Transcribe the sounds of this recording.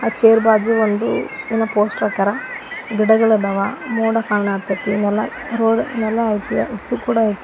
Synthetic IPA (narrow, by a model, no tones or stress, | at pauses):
aːt͡ʃeːɾbaːd͡ʒiʋond̪uinːɐpoːsʈɐkɐɾɐɡiɽɐɡɐɭɐd̪ɐʋamoːɽɐkaːɭɳaːt̪ɐt̪ːinɛlːɐ | ɾoːɖḭnɛlːɐːjt̪ijɐusukuːɽɐːjt̪